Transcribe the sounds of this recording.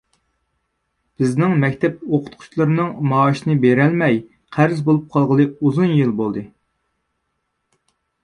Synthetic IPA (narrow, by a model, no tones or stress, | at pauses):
b̥ɪznɪŋmɛkʲt̪ʰɛp̚oqʰʊ̥t̪̚qʰʊ̥t͡ʃlˠɨɾnɨŋmɑːʃnɨbeɾɛlmɛj | qʰæɾzbolˠup̚qʰɑlˠʁəlˠɨuzunjɨlˠbolˠd̪ɨ